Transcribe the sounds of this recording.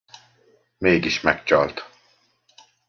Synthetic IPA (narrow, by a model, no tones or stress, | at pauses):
meɡiʃmɛkt͡ʃalt̪